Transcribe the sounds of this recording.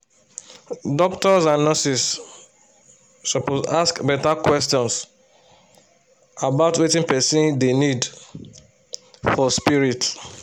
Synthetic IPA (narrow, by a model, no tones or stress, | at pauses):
dɔktɔsãnːɔsis | sɔpozaskbɛtakwɛstɔ̃ns | abaʊtwetĩnpɛsĩndenid | fɔspiɹit